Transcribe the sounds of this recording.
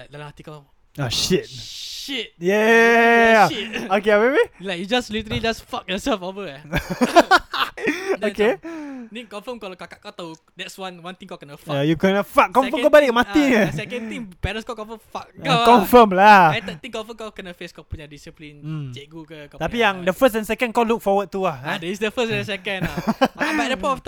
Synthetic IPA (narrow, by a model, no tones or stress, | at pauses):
lak̚dalahat̪ika | oʃit̚ʃit̚jɛ | okeamebilakjud͡ʒaslit̪əɾəlid͡ʒasfak̚jɔsɛlfovə | okenikɔ̃ɱfəmkɔlkakaʔkat̪a | dɛtswãnwãnt̪ĩŋkakənafajukɛnəfak̚ːɔ̃mfəmkabalɪʔkmãt̪inəsɛkə̃nt̪ĩŋpɛɾə̃nskakɔ̃nfəmfak̚kakɔ̃nfəmlaaj̪ət̪ĩŋkɔ̃nfəmkawkənafəskapuɲadisiplin̩t͡ʃɛʔɡukəkat̪apijãŋdəfəs̬tɛ̃nsɛkə̃nkawluk̚fɔwəd̪̚t̪uahadɛisdəfəsɛ̃nsɛkə̃n | adəpɔɔft̪